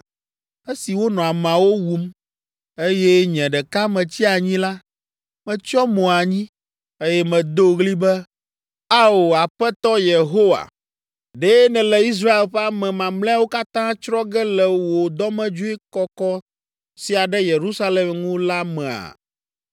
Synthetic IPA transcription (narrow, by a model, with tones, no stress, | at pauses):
e˦si˨wo˦nɔ̃˨a˨mã˨wo˦wu˨m | e˦jɛ˦ɲɛ̃˨ɖɛ˨ka˦mɛ̃˨t͡ɕi˦a˨ɲĩ˦la˦ | mɛ̃˨t͡ʃɔ˦mɔ̃˨a˨ɲĩ˦ | e˦jɛ˦mɛ̃˨d̪o˦ɣli˦bɛ˦ | a˦o˨a˨ɸɛ˦t̪ɔ˦je˨ɦo˦wa̰˨ | ɖe˦nɛ̃˨lɛ˨i˦s̬ɾa˦e˨lɸɛ˦a˦mɛ̃˨mã˨mlɛ̃˦a˦wo˦ka˦t̪ã˦t͡ʃɾɔ˦ɡɛ˦lɛ˨wo˨d̪ɔ˦mɛ̃˦d͡ʒu˦e˦kɔ˦kɔ˦ | si˨a˨ɖɛ˦je˨ɾu˦sa˦le˨mŋũ˦la˦mɛ̃˨a̰˨